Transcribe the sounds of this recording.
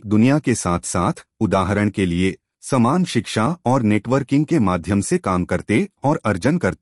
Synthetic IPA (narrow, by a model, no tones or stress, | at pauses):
d̪ʊnijakesaːt̪ʰsaːt̪ʰʊd̪aːɦəɾəɽ̃kelie | sɐmaːnʃɪkʃaɔːɾneːʈʋəɾkɪ̃ŋɡ̚kemaːd̪ʱjəmsekaːmkɐɾt̪eɔːɾɐɾd͡ʒənkɐɾt̪e